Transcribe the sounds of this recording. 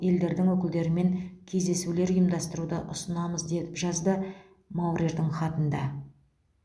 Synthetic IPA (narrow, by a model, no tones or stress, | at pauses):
e̞ld̪e̞ɾd̪ɪŋwɵkʲɪld̪e̞ɾɪme̞ŋkʲʰe̞zd̪e̞sule̞ɾʊjəmd̪ɑst̪əɾud̪əʔʊsənɑməzd̪e̞t̪ɪpʒɑzd̪ə | mawɾʲiʒd̪ɪɴχɑt̪ənd̪ɑ